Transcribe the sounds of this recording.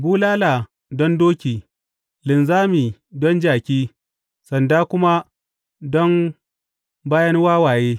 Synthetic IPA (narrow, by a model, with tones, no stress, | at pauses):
buː˦laː˦la˨ | dɔ˦ndoː˦kʲiː˨ | lɪ˨nzaː˦miː˨dɔ˦nd͡ʒaː˨kʲiː˦ | sɐ˨ndaː˦kʷʊ˦ma˦ | dɔ˦n | baː˦jɐ˦nwaː˦waː˨jeː˦